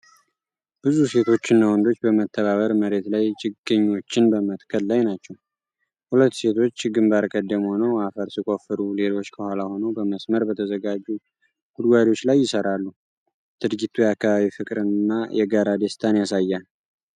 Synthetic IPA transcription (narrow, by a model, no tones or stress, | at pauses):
b̥ɨzuse̞t̪ʰo̞t͡ʃːɪnːawɔnd̪o̞t͡ʃːbəmət̪ʰːəβaβəɾməɾe̞t̪lajt͡ʃʼɪɡːɨɲːo̞t͡ʃːɪnbəmət̪kʰəllajnat͡ʃːɛw | hulət̪ːse̞t̪ʰo̞t͡ʃːɡɨmbaɾkʼəd̪ːəmho̞nəwafəɾsikʼo̞fɨɾule̞lo̞t͡ʃːkʰəhʷalaho̞nəwbəməsməɾbət̪ʰəzəɡad͡ʒːu | ɡ̥ud̪ɡʷad̪iwot͡ʃːlajːɪsəɾalːu | t̪ʰɨd̪ɡit̪ʰujɛakːaβaβifɨkʼɾɨnɨnːajɛɡaɾad̪əst̪ʰanjasajːan